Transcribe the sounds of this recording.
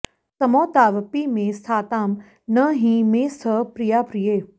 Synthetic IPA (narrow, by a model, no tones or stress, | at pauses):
t̪ɐmɔːt̪aːʋpiːmẽːst̪ʰaːt̪aːm | nəɦĩːmẽːsəpɾijaːpɾijeː